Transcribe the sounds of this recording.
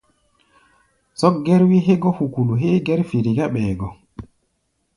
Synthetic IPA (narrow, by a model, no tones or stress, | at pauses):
sɔk̚ɡɛɾwiɦɛɡɔhukuluɦeɡɛɾfiɾiɡaɓɛːɡɔ